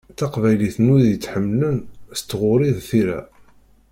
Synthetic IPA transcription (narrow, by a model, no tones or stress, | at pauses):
θæqvæjliθnʊðjət͡sːħəmːlənst̪ːʁʊɾiðθiɾæ̰